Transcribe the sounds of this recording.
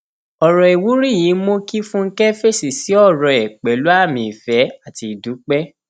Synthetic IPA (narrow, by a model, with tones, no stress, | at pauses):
ɔ˨ɾɔ˨e˨wu˨˦ɾi˦˨ji˨˦mo˦ki˦fũ˦ŋ̩˦kɛ˦fe˦˨si˨si˨˦ɔ˦˨ɾɔ˨ɛ˨k͡pɛ˨lu˨˦a˦˨mĩ˧˨i˨fɛ˨˦a˦˨ti˧i˨du˨˦k͡pɛ˦